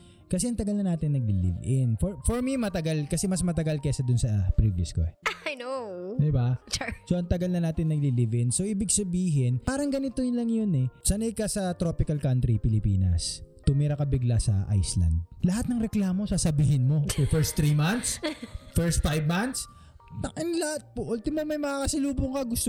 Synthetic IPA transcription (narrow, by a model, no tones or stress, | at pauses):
kɐsɛʔɐŋt̪ɐɡɐlnɐnaːt̪ɪnːɐɡ̚lɪlḭvʔɪnfoɹfoɹmimɐt̪ɐɡalkɐsɛmɐsmɐt̪ɐɡalkɛsɐd̪ʊnsɐpɾivlɪ̰skoɛjnod̪ɪbasoʔɐŋt̪ɐɡalnɐnaːt̪ɪnːɐɡlilivɪnsoʔɪbɪɡsɐbiːɦɪnpaːɾɐŋɡɐnɪt̪olɐŋjonɛsɐnɐjkɐsɐt̪ɾo̞ːpɪkɐlkant̪ɾipɪlɪpḭːnɐ̰st̪ʊmiɾɐkɐbɪɡlasɐ̰ʔa̰jslɐ̰nd̪̚lɐhat̪̚nɐŋɾɛklaːmo̞saːsɐbiːhɪnmo̞fɛɹst̪ɾimant̪sfɛɹst̪̚fajvmant̪s | t̪ɐkɪnlɐhat̪̚poʔult̪ɪmɐmɐjmɐaːkɐsɐluːbʊŋkɐɡʊst̪o